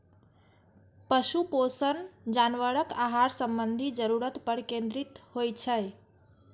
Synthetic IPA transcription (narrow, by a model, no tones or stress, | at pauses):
pəʃuposənd͡ʒaːnʋəɽəkaɦaɾsə̃mbənd̪ʱid͡ʒəɾuɾət̪pəɾkẽnd̪ɾit̪hojt͡ʃʰəj